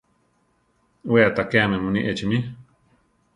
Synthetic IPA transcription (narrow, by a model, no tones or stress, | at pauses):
weat̪akeamẽmũnĩʔet͡ʃimĩ